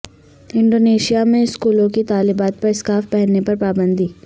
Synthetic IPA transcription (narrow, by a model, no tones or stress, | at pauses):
ɪ̃ɳɖoːneːʃijamẽɪskuːlõkit̪aːlɪbaːt̪̚pɐɾɪskaːfpɛɦɛnːepɐɾpaːbə̃nd̪ʱiː